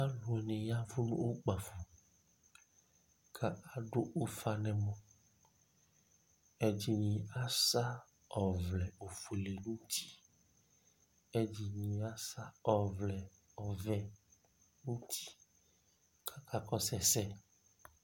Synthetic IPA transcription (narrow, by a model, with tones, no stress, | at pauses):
a˦lu˨ɛ˨nɛ̃˨ja˦vu˦nṵ̃˦wo˦k͡pa˨fu˨ | kʰa˦a˨ɖo˦ʔo˦fa˨nɛ̃˨mɔ̃˨ | e˦d͡ʒi˦nĩ˨a˦sa˦ | ɔ˨vlɛ˨o˨fu˨le˨nũ˦t̪i̥˦ | e˦d͡ʒi˨nĩ˨a˦sa˦ɔ˨vlɛ˨ | ɔ˨vɛ˦ | nũ˦t̪ʰi̥˦ | kʰa˦ka˦kɔ˦sɛ˨sɛ˦